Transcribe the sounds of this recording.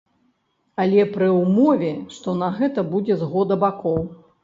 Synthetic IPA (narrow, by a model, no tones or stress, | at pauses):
ɐlʲɛpɾɨwmɔvʲɛʂt̪ɔnɐɣɛt̪ɐbud͡zʲɛzɣɔd̪ɐbakɔw